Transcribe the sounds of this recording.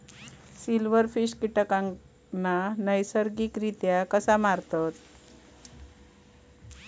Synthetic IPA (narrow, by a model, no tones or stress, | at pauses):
silʋəɾfiɕkiʈəkaŋ | nanəjsəɾɡikɾit̪jakəsamaɾt̪at̪